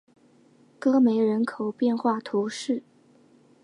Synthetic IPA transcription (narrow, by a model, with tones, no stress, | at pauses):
kɤ˥me˧˥ɪɻə˧˥nkʰo˨˩ʊpjɛ˥˧nxwa˥˩t̪ʰu˧˥ʂɻ̩˥˩